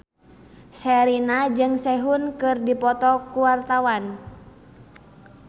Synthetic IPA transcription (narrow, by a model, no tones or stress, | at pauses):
sɛɾinad͡ʒɨŋsɛɦunkɨrdipɔt̪ɔkuwart̪awan